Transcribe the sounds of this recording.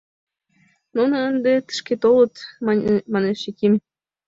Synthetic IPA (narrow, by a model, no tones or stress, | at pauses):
nunɤ̆ənd̪ĕt̪ə̥̆ʃkʲet̪olˠɤ̆t̪ʲ | mɑneʃekʲimʲ